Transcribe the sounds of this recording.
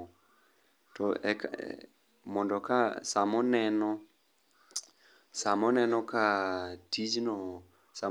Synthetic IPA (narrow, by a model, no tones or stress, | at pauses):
tɔɛ̰k | mɔndɔkasamɔnɛnɔ | samɔnɛnɔkatid͡ʒnɔ | sa